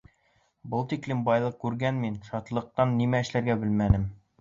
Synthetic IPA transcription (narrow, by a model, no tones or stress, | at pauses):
bɤlˠt̪iklɘmbɑjlˠɤq̚kʉɾɡænminʃɑt̪lˠɤ̆q̚t̪ɑnːimæɘ̆ʃlæɾɡæbɘlmænɘm